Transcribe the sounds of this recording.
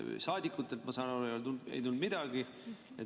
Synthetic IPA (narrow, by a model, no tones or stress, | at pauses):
sɑːd̪ikːˑut̪ˑːe̞lt̪mɑsɑːnɑlejolt̪uld̪ḛjt̪uld̪mid̪̥ɑɡ̥i | ḛ